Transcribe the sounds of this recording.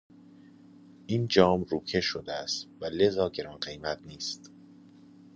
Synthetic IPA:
ʔiːnd͡ʒɒːmɾuːcʰe̞ʃod̪eæst̪væle̞zɒːɟe̞ɾɒːnɢe̞jmæt̪niːst̪

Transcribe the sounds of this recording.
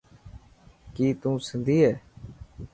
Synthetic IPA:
kiːt̪ũːsənd̪ʱiːɦɛː

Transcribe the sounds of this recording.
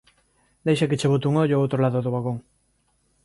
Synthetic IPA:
d̪ejʃaket͡ʃeβ̞ut̪uŋoʎoowt̪ɾolaðoðoβaɣoŋ

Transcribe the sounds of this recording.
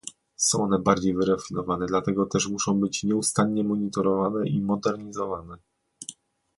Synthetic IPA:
sɔ̃w̃ɔnɛbaɾd͡ʑejvɘɾɛfʲinɔvanɛd̪lat̪ɛɡɔt̪ɛʂmuʂɔ̃w̃bɘt͡ɕɲɛust̪aɲɲɛmɔɲit̪ɔɾɔvanɛʔimɔd̪ɛɾɲizɔvanɛ

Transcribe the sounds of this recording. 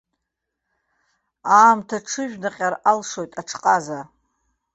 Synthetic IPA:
aːmtʰaʈ͡ʂʰɨʒᶣnaqʲʼaralʂo̞jtʼaʈ͡ʂʰqʼaza

